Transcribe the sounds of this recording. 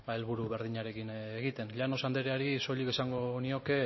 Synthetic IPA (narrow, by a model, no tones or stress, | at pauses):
ae̞lβuɾuβe̞ɾð̞iɲaɾe̞kineɣit̪e̞nʎano̞sand̪eɾeaɾiso̞ʎike̞saŋɡo̞nio̞ke̞